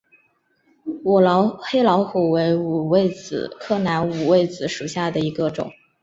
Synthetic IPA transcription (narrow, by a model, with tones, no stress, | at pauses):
wɔ˨˩lʊxe˥ɪlɑ˧˥ʊxu˨˩we˧˥ɪu˨˩we˥˩ɪt͡s̩˨˩kʰɤ˥˩na˧˥nu˨˩we˥˩ɪd͡zɹ̩˧˩ʂu˨˩ɕja˥˩d̪ə˩i˧˥ɡə˧ʈ͡ʂʊ̰˨˩˦ŋ